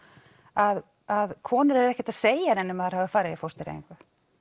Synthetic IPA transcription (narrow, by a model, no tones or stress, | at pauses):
að | aðkʰɔːnʏɾɛɾɛhcɪ̥t̪aðseːjaɾɛnːɪmaðɛɾhavðɪfaːɾɪðifowst̪ɪɾḛj̰ŋkva